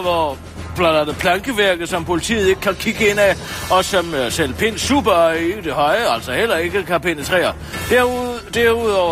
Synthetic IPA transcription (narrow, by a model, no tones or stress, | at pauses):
ʋɒ | b̥lɑnɐnəpʰlɑ̈ŋɡ̥əʋæɐɡ̥ð̩ˠsɒ̽mpʰo̝lit͡sʰḭːð̩ˠe̝ɡ̥əkʰækʰiɡ̥əe̝n̰æɒ̽sɒ̽msel̰pʰe̝n̰sṵːb̥ɐid̥e̝ɦɒ̽ɪəæl̰sɒ̽hel̰ɐe̝ɡ̥əkʰæpʰen̰ət͡sʰʁɛ̰ːɐ | d̥æɐd̥æɐuð̰ˠɒʊ̰ɐ